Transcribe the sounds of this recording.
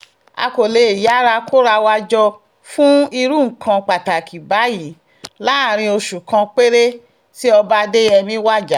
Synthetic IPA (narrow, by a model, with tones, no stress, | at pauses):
a̰˧ko˨le˨˧˨ja˨˦ɾa˧kʰo˦ɾa˧wa˧d͡ʒɔ˧ | fũ˦i˧ɾu˦˨ŋ̩˨kʰã˧k͡pa˨ta˨kʰi˨ba˨˦ji˨˦ | la˦˨ɾ̃ĩ˧o˧ʃu˨kã˧k͡pe˦ɾe˦ | ti˦ɔ˧ba˦de˦ɛ˧mĩ˦wa˦˨d͡ʒa˨˦